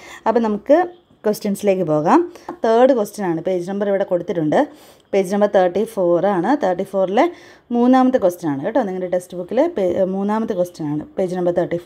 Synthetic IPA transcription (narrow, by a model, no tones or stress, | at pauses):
ɐpːonɐmukːɨ | kwosʈjɐnsile̞ːk̬ːɨpo̞ːɣaːmt̪ʰeːɖɨkostɐnaːɳɨpe̞ːd͡ʑinɐmbɐɾiʋiɽe̞ko̞ɽut̪ːiʈːuɳɖɨ | pe̞ːd͡ʑinɐmbɐɾt̪ʰɐːrʈːifo̞ːraːɳɨt̪ʰɐːrʈːifo̞ːrile̞ | muːnːaːmɐt̪ːɨkwostɐnaːɳɨeʈːonːeŋːɐleʈesʈɨbukːilepːmuːnːaːmɐt̪ːɨkostɐnaːɳɨpe̞ːd͡ʑinɐmbɐt̪ʰɐrʈːif